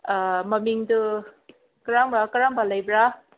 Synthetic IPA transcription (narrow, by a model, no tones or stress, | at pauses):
mɐmiŋdu | kaɾaŋbakaɾaŋbalajbɾa